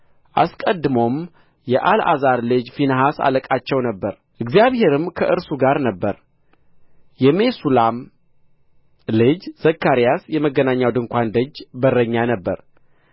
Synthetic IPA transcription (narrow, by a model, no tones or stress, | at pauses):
ʔaskʼəd̪ːɨmo̞m | jɛʔala̰zaɾlɨd͡ʒfinəɦasa̰ləkʼat͡ʃːɛwnəbːəɾ | ʔɨɡzijaβhe̞ɾɨmkʰəʔɨɾsuɡaɾnəbːəɾ | jɛme̞sulam | lɨd͡ʒz̥əkːaɾijasjɛməɡːənaɲːawd̪ɨŋkʷand̪əd͡ʒbərːəɲːanəbːə̰ɾ